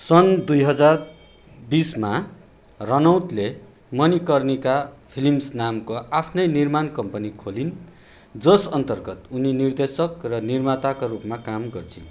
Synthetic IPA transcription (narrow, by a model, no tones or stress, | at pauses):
sʌnd̪ujɦʌd͡zar | bisma | rʌnʌwt̪le | mʌnikʌrnikapʰilimsnamkoʔapʰnʌjnirmankʌmpʌnikʰolin | d͡zʌsʌnt̪ʌrɡʌt̪uninird̪esʌkrʌnirmat̪akorupmakamɡʌrt͡sʰĩ